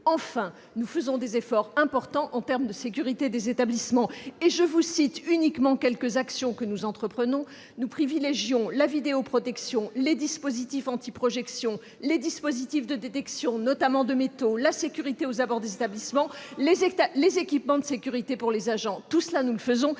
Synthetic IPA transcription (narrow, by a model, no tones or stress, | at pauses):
ɑ̃fɛ̃ | nufəzɔ̃d̪ezefɔʁɛ̃pɔʁt̪ɑ̃ʔɑ̃t̪ɛʁmd̪əsek̬ʲyʁit̪ed̪ezet̪ablismɑ̃eʒəvusit̪ynikmɑ̃kʲɛlkəzaksjɔ̃kənuzɑ̃t̪χəpχənɔ̃ | nupχivileʒjɔ̃lavid̪eopχɔt̪ɛksjɔ̃led̪ispozit̪ifɑ̃t̪ipχɔʒɛksjɔ̃ | led̪ispozit̪ifd̪əd̪et̪ɛksjɔ̃nɔt̪amɑ̃d̪əmet̪olasekʲyʁit̪eozabɔʁd̪ezet̪ablismɑ̃lezalezekʲipmɑ̃d̪əsekʲyʁit̪epuʁlezaʒɑ̃t̪usəlanuləfəzɔ̃